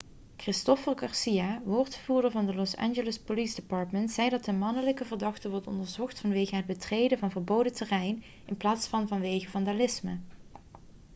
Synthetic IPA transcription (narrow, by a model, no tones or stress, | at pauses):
krɪstɔfərɡɑɹsijaʋoːɹtχəvuːɹdəɹvɑndəlɔsa̰nʒələspolisdɪpɑːɹtməntsɛjdɑtəmɑnələkəvərdɑχtəʋɔɹtɔ̰ndəɹzɔχtfɑnʋejɣəɦəd̚bətrejdəvɑnvəɹbowdətərɛjn | ɪnplaːtsfɑnvɑnʋejɣəvɑndalɪsmə̰